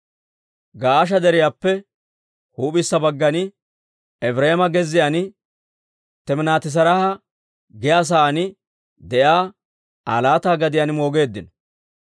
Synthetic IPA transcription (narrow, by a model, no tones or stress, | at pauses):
ɡaːʔɐʃ̬ɐd̪ɛɾɪjaːpːɛ | huːpɪsːɐbɐɡːɐnɪ | ɛfɾɛmɐɡɛzːɪjanɪ | t̪ɛmɪnaːt̪ɪs̬ɐɾɐhɐ | ɡɪjaːs̬aːnɪ | d̪ɛjaː | a̰ːlaːt̪aːɡɐd̪ɪjanɪmo̞ːɡe̞ːd̪ːɪnɔ